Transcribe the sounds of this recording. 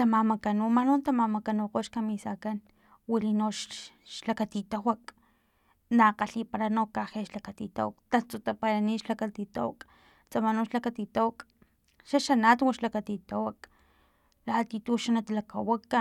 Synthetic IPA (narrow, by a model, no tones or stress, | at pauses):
t̪amamakanumanont̪amamakanoqoʃkamisakan | wilinoʃʃlakat̪it̪awak | naqaɬipaɾanokaheʃlakat̪it̪a̰wakt̪at͡sut̪apaɾaniːʃlakat̪it̪a̰wak | t͡samanoʃlakat̪it̪awak | ʃaʃanat̪waʃlakat̪it̪awak | lat̪it̪uʃanat̪alakawakːa